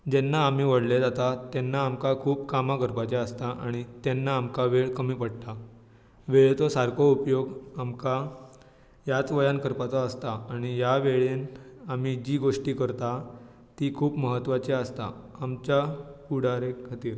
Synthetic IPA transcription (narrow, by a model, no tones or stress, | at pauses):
d͡ʑɛnːaːm̤iːʋəɽled͡zat̪at̪ɛnːaːmkakʰuːpkamakəɾpat͡ɕeəst̪aʔaɽ̃it̪ɛnːaːmkaʋeɭkəmiːpəɽt̪a | ʋeɭt͡sɔsaɾkoupjoɡamka | jat͡sʋəjankəɾpat͡saəst̪aaɽ̃ijaʋeɭenam̤id͡ʑiːɡoʂʈiːkəɾt̪a | t̪iːkʰuːpməɦət̪ːʋat͡ɕeəst̪a̰amt͡ɕjakuɽ̤aɾekʰat̪iːɾ